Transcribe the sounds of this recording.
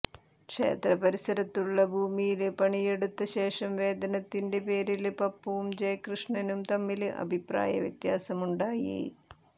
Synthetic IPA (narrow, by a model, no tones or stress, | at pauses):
kʂe̞̰ːt̪rɐpɐɾisɐɾɐt̪ːuɭːɐbʱuːmijilɨpɐɳije̞ɽut̪ːɐɕe̞ːʂɐmʋe̞ːd̪ɐnɐt̪ːinde̞pe̞ːɾilpɐpːɐʋumd͡ʑɐjkrɨʂɳɐnumt̪ɐmːilɨʔɐ̰bʱipra̰ːjɐ̰ʋjɐ̰t̪jaːsɐmuɳɖaːjḭ